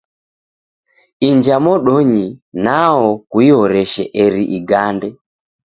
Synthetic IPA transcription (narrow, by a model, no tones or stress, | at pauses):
iɲd͡ʒamɔɗɔɲinaɔkuiɔɾɛʃɛʔɛɾiʔiɡandɛ